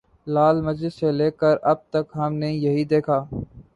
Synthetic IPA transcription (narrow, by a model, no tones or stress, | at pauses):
laːlməd͡ʒɪssːeleːkəɾɐb̚t̪əkɦɐmnejɐɦid̪eːkʰaː